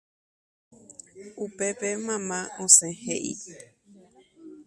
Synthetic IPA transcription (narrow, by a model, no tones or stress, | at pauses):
upepemãmãʔõsẽheʔḭ